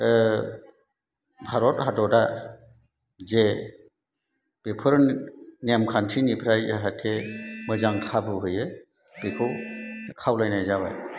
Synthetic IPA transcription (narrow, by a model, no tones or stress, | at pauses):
bʱaɾɔthadɔda | ze | b̥epʰɯɾnemkʰantʰinipʰɾajzaɦatʰemɯzaŋkʰabɯɦɯjɯ | b̥ikʰɯwkʰawlajnajzaba̰j